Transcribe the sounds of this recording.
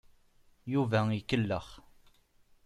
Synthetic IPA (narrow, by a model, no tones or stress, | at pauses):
juvæikːəlːəχ